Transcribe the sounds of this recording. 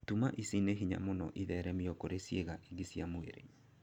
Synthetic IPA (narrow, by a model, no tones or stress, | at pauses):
tumaʔisineɦiɲa̰monɔ̰ʔiðɛɾɛmiɔkoɾesjeɣaʔiɡisiamoḛɾḛ